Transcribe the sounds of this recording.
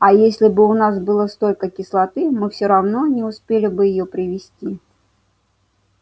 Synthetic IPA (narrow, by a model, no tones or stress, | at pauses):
ɐjesʲlʲɪbɨʊnasbɨlˠəst̪olʲkəkʲɪslˠɐt̪ɨmɨfsʲoɾɐvno̞nʲɪʊspʲelʲɪbɨjɪjopɾʲɪvʲɪsʲtʲi